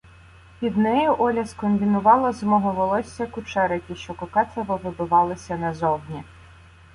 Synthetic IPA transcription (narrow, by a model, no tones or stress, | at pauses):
pʲid̪nɛjʊʔɔlʲɐskɔmbʲinʊʋɑlˠɐzmɔɦɔʋɔlˠɔsʲːɐkʊt͡ʃɛɾɪkʲiʃt͡ʃɔkɔkɛt̪ɐʋɔʋɪbʊʋɑlˠɪsʲɐnɐzɔwnʲi